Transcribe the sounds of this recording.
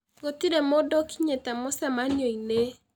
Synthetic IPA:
ɡotiɾemodɔkiɲetɛmosɛmanoine

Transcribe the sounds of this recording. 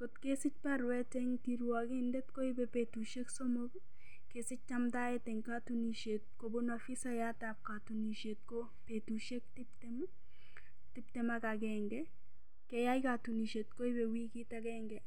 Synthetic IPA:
kotkesɪt͡ʃ̚paɾwɛtɛŋtiɾwakɪndɛtkoɪbɛpetuʃeksɔmɔk | kesɪt͡ʃ̚t͡ʃamtaɛtɛŋkatuniʃet̚kobonafɪsajatap̚katuniʃet̚ko | petuʃek̚tɪptɛm | tɪp̚tɛmakaɡɛŋɡɛ | kɛjajkatuniʃet̚koɪbɛwikitaɡɛːŋɡɛ

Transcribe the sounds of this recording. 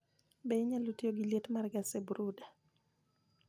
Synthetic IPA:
beɲalutjoɡiletmarɡasebuɾuda

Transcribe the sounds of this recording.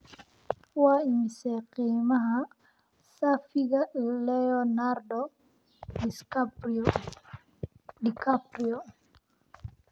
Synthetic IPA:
waimisɛqimaɦa | safiɡaʔilɛonaɾdo | diskap | dikapɾio

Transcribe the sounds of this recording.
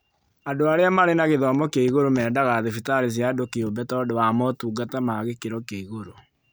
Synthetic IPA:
adoaɾeamaɾenaɣeðɔmɔkeiɣoɾomɛːdaɣaðefitaɾes̬jadokeobɛtɔdowamɔtuːɡatamaɣekeɾɔkeiɣoɾo

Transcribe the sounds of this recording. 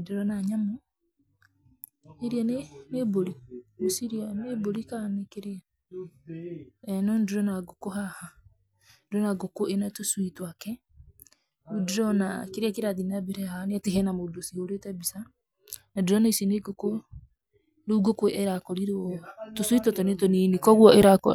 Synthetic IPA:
deɾɔnaɲamo | eɾianeneboɾiosiɾianeboɾikanekeɾea | ɛnɔndeɾɔnaɡokoɦaha | deɾɔnaɡokoenatoswitwakɛ | udɾɔnakeɾeakeɾaðinabeɾɛhanateɦɛnamodosihoɾetɛbisa | nadɾɔnaisineɡoko | noɡokweʔɛɾakɔɾiɾotoswitwɔtɔnetonenikɔɣwɔeɾakɔ

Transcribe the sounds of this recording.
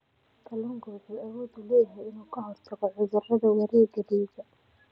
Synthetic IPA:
kʰɐlʊŋɡɔːsiɐwɔːd̪uːlɛːjɐɦɛjɪnuːkʰɐɦɔrt̪ʰɐɣɔʕʊðʊrɐðɐwɐɾiːɡɐðiːsɐ

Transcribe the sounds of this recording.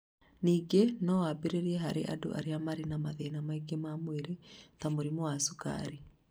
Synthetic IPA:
niːɡenɔwabeɾeɾiɛɦaɾḛʔa̰do̰ʔa̰ɾeamaɾenamaðenamaiɡemamweɾetamoɾimɔwasuka̰ɾi

